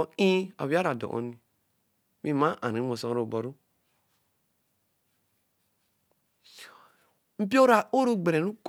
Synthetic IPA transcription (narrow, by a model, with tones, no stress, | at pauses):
ĩ˦a̰˨wi˦a˦ɾa˨dɔ̰˨ʔɔ̰˦nĩ˨ | mi˦mã˦ʔã˨ɾĩ˨˦mo˨sɔ˦ɾo˨bɔ˨ɾu˦ | m̩˦pi˦o˦ɾa˨o˦ɾu˦ɡ͡be˨ɾe˨ɾu˦k